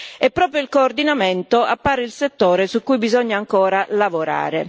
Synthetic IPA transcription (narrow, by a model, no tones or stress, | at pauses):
ɛpːɾɔːpɾjoilkoːrd̪inamɛnt̪oapːaːɾeilset̪ːoːɾesukːujbizɔɲːaːŋkɔːɾalavoɾa̰ːɾe